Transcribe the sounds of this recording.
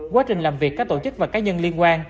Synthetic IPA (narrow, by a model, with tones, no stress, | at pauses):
kwaː˨˦t͡ɕï˨˩ŋ̟laː˨˩mvi˨˩əkːaː˦˥k̚t̪o˧˩t͡ɕɨ˦˥k̚vaː˨˩kaː˨˦ɲə˧nli˧ənkwaː˧ŋ